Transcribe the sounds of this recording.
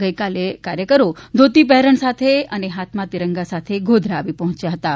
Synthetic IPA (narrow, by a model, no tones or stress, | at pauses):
ɡəjkalekaɾjəkəɾod̪ʱot̪ipɛɦɾəɳsat̪ʰeəneɦat̪mat̪iɾəŋɡasat̪ʰeɡʱod̪ʱɾaːʋipəɦɔ̃t͡ʃjaɦət̪a